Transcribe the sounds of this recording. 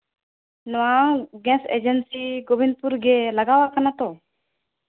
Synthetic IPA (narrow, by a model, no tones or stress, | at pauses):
nʊaːɡɛ̃ːsḛːd͡ʒənsiːɡobɪnd̪̚puɾɡeləɡaːʋakənat̪oː